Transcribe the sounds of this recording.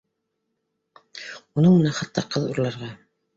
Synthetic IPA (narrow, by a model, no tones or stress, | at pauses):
unɤɴmə̆nænχɑt̪ːɑqɤðuɾlˠɑɾʁɑ